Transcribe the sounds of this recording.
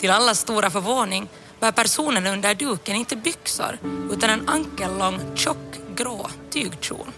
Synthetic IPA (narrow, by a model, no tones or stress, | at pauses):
t̪ʰɪlalːast̪uːɾafœɾvoːnɪŋ | bæːɾpæɾsuːnənɵnd̪əɖʉːkənɪnt̪əbʏksʊ̰ɾʉ̟ːt̪anɛnaŋkəɭɔŋːɕɔkːɡɾoːt̪ʰyːɡt͡ʃṵːn